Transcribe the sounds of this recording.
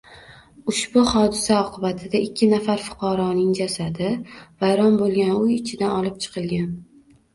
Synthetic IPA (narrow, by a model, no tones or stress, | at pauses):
ʊʃbʊhɒd̪ɪsaɒqʰɨbat̪ʰɪd̪aɪkʲʰːɪnafaɾfʊ̥qʰɑɾɒnɪŋd͡ʒasad̪ɪvajɾɒnbolˠɡʲanʊjɪt͡ʃʰɪd̪anɒlˠɪp̚t͡ʃʰɨ̥qʰɨlˠɡʲan